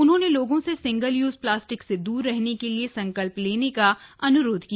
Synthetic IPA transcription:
ʊnɦõːneloːɡõsesɪ̃ŋɡəljuːzplaːsʈɪksed̪uːɾːɛɦnekeliesɐ̃ŋkəlpleːnekaɐnʊɾoːd̪ʱkia

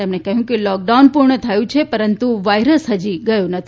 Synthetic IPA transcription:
emnekəɦjũkelɔk̚ɖaunpuɾɳət̪ʰajũt͡ʃʰepəɾənt̪uʋajɾəsɦəd͡ʒiɡəjũnət̪ʰi

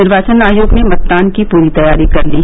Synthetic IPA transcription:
ɪɾʋaːt͡ʃənaːjoːɡnemɐt̪̚ːaːnkipuːɾit̪ɐjaːɾikɐɾliː

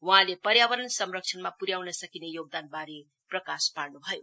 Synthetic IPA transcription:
wɦãlepʌɾjabʌɾʌnsʌmrʌk̚t͡ʃʰʌnmapuɾjawnʌsʌkinejoɡ̚d̪anbaɾe | prʌkasparnubʱʌjo

